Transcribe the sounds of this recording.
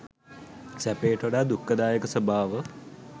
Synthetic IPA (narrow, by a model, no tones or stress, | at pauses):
sæpeːʈoɽaːd̪ukːəd̪aːjəkəsəbʱaːʋə